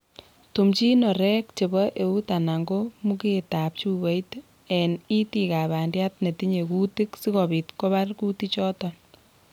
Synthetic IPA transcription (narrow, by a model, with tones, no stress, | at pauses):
tu˨mt͡ʃi˦nɔ˨ɾɛ˦k̚t͡ʃe˨bɔ˦ʔe˨u˦ta˨na˨ŋɡo˦mu˦keta˨p̚t͡ʃu˦be˦jt | ɛni˦ti˨ka˨βa˨ndja˦tne˨ti˦ɲe˨ku˦ti˦ksi˦kɔ˨bi˨tko˦ba˦rku˦ti˦t͡ʃɔ˦tɔn